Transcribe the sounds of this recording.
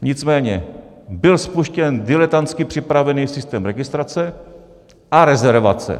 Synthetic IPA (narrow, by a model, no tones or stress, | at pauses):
ɲɪt͡smɛːɲɛ | bɪlspuʃcɛndɪlɛt̪ant͡skɪpr̝̥ɪpɾavɛniːsɪst̪ɛːmɾɛɡɪst̪ɾat͡sɛ | ʔaɾɛzɛɾva̰t͡sɛ̰